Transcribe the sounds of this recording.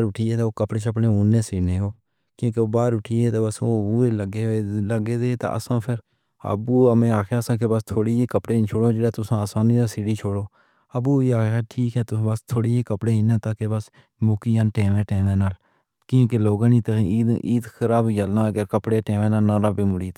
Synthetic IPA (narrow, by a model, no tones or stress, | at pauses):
ɾʊʈʰiːɛːt̪aːoːkəpɽeːt͡ʃʰəpneːʊnːeːsiːneːɦoː | kjõːkeoːbaːɾʊʈʰiːɛːt̪ːbəsoːuːeːləɡeːləɡeːd̪eːt̪a̰ːʔə̰sãːpʰɪɾ | ə̰buːəmẽːaːkʰaːsãːkebəst̪ʰoːɽiːeːkəpɽeːt͡ʃʰoːɽoːd͡ʒeːɽɛːt̪ʊsãːəsãːniːd̪aːsiːɽiːt͡ʃʰoːɽoː | əbuːeaːkaːʈʰiːkɛːt̪ʊ̃bəst̪ʰoːɽiːeːkəpɽeːɪnẽːt̪aːkebəs | mʊkiːjaːnʈẽːʋẽːʈẽːʋẽːnaːl | kjõːkeloːɡãːnĩːt̪əiːiːd̪kəɾaːbd͡ʒəlnaːəɡəɾkəpɽeːʈẽːʋẽːnaːnãːɾaːbeːmʊɽiːt̪